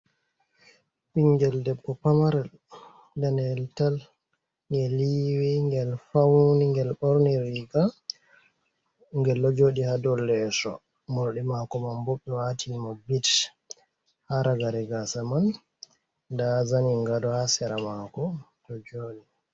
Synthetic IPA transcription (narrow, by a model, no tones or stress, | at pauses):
ɓiŋɡɛldɛbːɔpamaɾɛl | danɛltal | ŋɡɛliwɛŋɡɛlfawniŋɡɛlɓɔɾniɾiɡa | ŋɡɛlːɔd͡ʒoːɗihadɔlːɛsɔ̰ | mɔɾɗɛmakɔmanbɔɓːɛwaːtʰinmɔbit | haɾaɡaɾɛɡasaman | dazaniŋɡadɔhasɛɾamakɔ | tɔd͡ʒoːɗi